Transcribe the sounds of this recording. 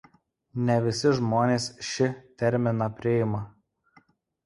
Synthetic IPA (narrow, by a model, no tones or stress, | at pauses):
nʲɛʋʲɪsʲɪʒmoːnʲeːsʃʲɪt̪ʲɛɾʲmʲɪnɐpʲɾʲɪɪmɐ